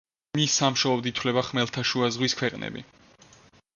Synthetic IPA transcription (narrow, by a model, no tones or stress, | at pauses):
misːamʃɔɔbd̪it̪ʰwlɛbaχmɛlˠt̪ʰaʃuazʁwiskʰwɛqʼnɛ̰bḭ